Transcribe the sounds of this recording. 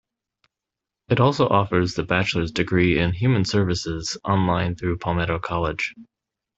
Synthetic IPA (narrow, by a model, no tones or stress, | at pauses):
ɨɾɔlˠsoʊʔɔfə˞zðɨbæt͡ʃl̩ˠə˞zdɨɡɹiɪ̃nɦjʉmɨ̃nsɜ˞vɨsɪz̥ʔɑ̃nlãɪ̃nθɹʉpʰɑmɛɾoʊkʰɑlˠɪd̥ʒ̥